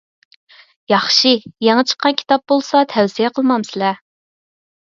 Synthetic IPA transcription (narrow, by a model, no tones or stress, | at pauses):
jɑχʃɨjeŋɨt͡ʃʰə̥qʰːɑnkʲʰt̪ɑp̚bolˠsɑt̪ʰɛwsijɛqʰəlˠmɑmsɪlɛ